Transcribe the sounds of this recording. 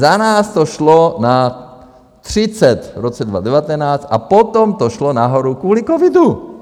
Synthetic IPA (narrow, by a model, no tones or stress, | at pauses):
zanaːst̪oʃlona | t̪r̝̥ɪt͡sɛt̪ɾot͡sɛdvadɛvat̪ɛnaːt͡st̪apot̪omt̪oʃlonaɦoɾukvuːlikovɪdu